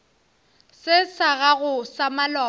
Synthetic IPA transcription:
sɪsaɣaɣʊsamalɔ

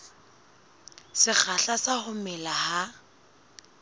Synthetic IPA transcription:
sɪk͡xʰaɬasahʊmɛlaha

